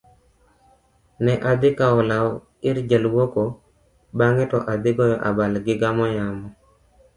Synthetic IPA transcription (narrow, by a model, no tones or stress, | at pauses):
nɛʔad̪ɪkaɔlaw | ɪɾd͡ʒəlwoko | baŋɛtɔʔad̪ɪɡɔjɔʔabalɡɪɡamɔjamɔ